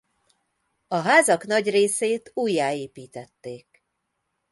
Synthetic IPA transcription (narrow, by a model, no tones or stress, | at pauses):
ɒɦaːzɒknɒɟreːseːt̪uːjːaːeːpiːt̪ɛt̪ːeːk̚